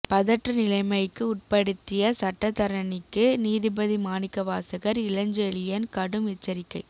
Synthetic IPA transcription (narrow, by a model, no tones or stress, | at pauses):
pɐðɐʈrɐnɪlɐɪmɐɪkːɯʊʈ̚pɐɽɯt̪ːɪjɐsɐʈːɐt̪ɐɾɐnɪkːɯniːðɪbɐðimaːnɪkːɐʋaːsɐɣɐɾɪlɐɲd͡ʒeɭɪjɐnkɐɽɯmɪt͡ʃːɐɾɪkːɐɪ